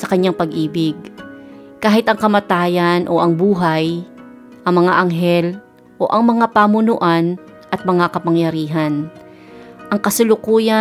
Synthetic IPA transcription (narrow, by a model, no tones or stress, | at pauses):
sɐkɐɲːaŋpɐɡʔiːbɪɡ̚ | kaːhɪt̪ɐŋkɐmat̪aːjanʔo̞̰ʔɐŋbuːɦaj | ʔɐŋmɐŋaʔɐŋɦɛl | ʔo̞ʔɐŋmɐŋapaːmʊnʊʔan | ʔɐt̪̚mɐŋakɐpɐŋjɐɾiːɦɐn | ʔɐŋkɐsʊlʊkuːja